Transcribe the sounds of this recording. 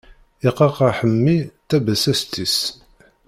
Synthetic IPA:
iqɑqɑħəmːit̪æbæsæst̪is

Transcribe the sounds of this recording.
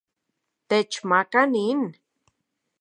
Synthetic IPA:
t̪et͡ʃmakanin

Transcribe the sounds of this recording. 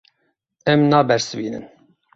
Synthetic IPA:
ɛmnɑːbɛɾsɨvḭːnɨ̰n

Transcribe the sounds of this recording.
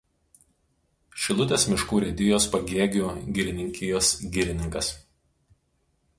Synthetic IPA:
ʃʲɪlˠʊt̪ʲeːsmʲɪʃkuːɾʲɛd̪ʲɪjoːspɐɡʲeɛɡʲuɡʲɪɾʲɪnʲɪŋʲkʲɪjoːsɡʲɪɾʲɪnʲɪŋkɐs

